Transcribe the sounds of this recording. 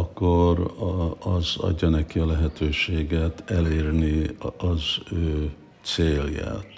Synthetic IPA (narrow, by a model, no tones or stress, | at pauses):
ɒkːorɒzɒ̰ɟːɒnɛkiɒlɛɦɛt̪ʰøːʃeːɡɛt̪ɛleːrniɒzøː | t̪seːlja̰ːt̪